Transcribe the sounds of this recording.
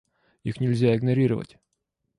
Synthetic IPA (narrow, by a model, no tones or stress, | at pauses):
ixnʲɪlʲzʲaɪɡnɐɾʲiɾəvə̰tʲ